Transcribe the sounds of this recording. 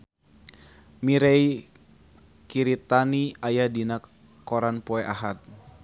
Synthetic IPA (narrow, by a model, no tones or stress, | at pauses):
miɾɛi | kiɾit̪aniajadina | kːɔɾanpɔɛʔaɦat̪̚